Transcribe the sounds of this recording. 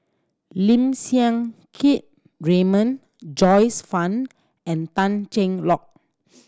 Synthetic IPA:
lĩmsiãŋkʰit̚ | ɹemə̃n | d͡ʒɔjsfãn | ɛ̃ntãnt͡ʃɛ̃ŋlɔk̚

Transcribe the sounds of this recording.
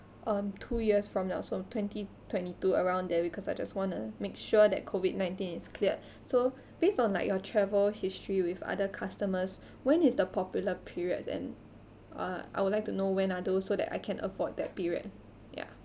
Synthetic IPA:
ʔʌ̃mtʰujiəsfɹɔ̃mnaʊsotʰwɛ̃ntitʰwɛ̃ntituəɹãʊ̃ndɛbikʰɔsajd͡ʒaswɔ̃numekʃuədɛ̰t̚kʰovid̚nãɪ̃ntĩniskʰliə | so | b̥estɔ̃nlaɪk̚jɔtʰɹɛvəlhistɹiwiva̰dəkʰastəməs | wɛ̃nisdəpʰɔpjuləpʰiɹiə̰dɛ̰̃n | ʌ̰a̰jwudlaɪk̚tunowɛ̃nadosodɛ̰ta̰ɪkʰɛ̃nʔə̰fɔd̚dɛ̰t̚piɹiə̰d̚ | ja̰

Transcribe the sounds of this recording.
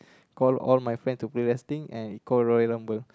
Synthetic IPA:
kɔlɔ̰lmajfɹɛ̃ntupleɹɛstĩŋɛ̃nikɔlɹɔjlə̃mwəl

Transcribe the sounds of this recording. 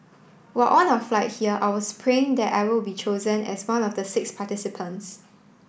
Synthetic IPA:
waʔɔ̃naʊflaɪt̚hiəʔawəspʰɹẽŋdɛta̰ɪwɪlbit͡ʃozə̃nɛ̰swãnɔfdəsɪkspʰatisipʰə̃nts

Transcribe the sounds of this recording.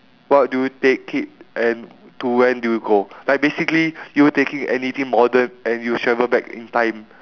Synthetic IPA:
wɔt̚dujutekʰːit̚ʔɛ̃n | tuwɛ̃ndujuɡolaɪk̚besiklijuwətekĩŋɛ̰nit̪ʰĩŋmɔdə̃nɛ̃njuʃɛvəbɛkḭ̃ntãɪ̃m

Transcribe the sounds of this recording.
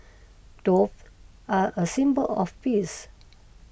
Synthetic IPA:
d̥of | aʔəsĩmbəlɔ̰fpis

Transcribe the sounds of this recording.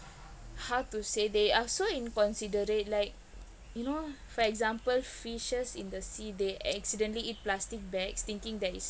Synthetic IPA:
hawtusedeasoĩnkɔ̃nsidəɾet̚laɪk̚ | junofɔɛk̚zãmpəlfiʃəsĩndəsideʔɛksidə̃nliit̚plastik̚bɛkst̪ĩŋkĩŋdɛtis

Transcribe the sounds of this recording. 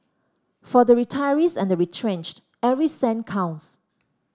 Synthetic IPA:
fɔdəɹitʰaɪəɹisɛ̃ndəɹitʰɹẽnt͡ʃt | ɛvɹisɛ̃nkʰãʊ̃ns

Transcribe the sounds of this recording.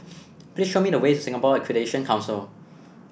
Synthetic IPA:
pliːsʃomidəwetusɪ̃ŋəpɔɛkʰwideʃə̃nkʰãʊ̃nsil

